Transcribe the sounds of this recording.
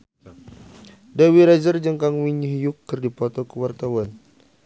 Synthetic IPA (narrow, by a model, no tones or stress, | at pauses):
dawiɾazərd͡ʒəŋkaŋwiɲuɦjukːɨrdipɔt̪ɔkəwart̪awan